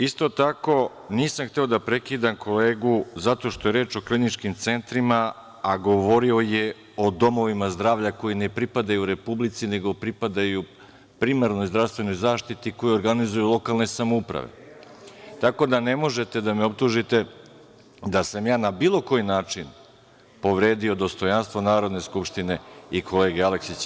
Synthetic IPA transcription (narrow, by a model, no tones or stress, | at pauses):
ist̪o̞t̪ako̞ | niːsamxt̪e̞o̞d̪apɾekiːd̪amkʰo̞le̞ːɡuzat̪o̞ʃt̪o̞je̞ɾe̞ːt͡ʃo̞klinit͡ʃkimt̪se̞nt̪ɾima | aɡo̞ʋo̞ɾio̞je | o̞d̪o̞mo̞ʋimazd̪ɾaːʋʎako̞jine̞pɾipad̪ajuɾe̞publit̪sine̞ɡo̞pɾipad̪aju | pɾimaɾno̞jzd̪ɾafst̪ʋe̞no̞jzaːʃt̪it̪iko̞jio̞ɾɡanizujulˠo̞kalˠne̞samoupɾa̰ʋe̞̰ | t̪ako̞d̪ane̞mo̞ʒet̪e̞d̪ameo̞pt̪uʒit̪e̞ | d̪asamjaːnabiːlˠo̞ko̞jinaːt͡ʂin | po̞ʋɾeːd̪io̞d̪o̞st̪o̞janst̪ʋonaːɾo̞d̪ne̞skupʃt̪ine̞ikʰo̞le̞ːɡeale̞ksit͡ɕ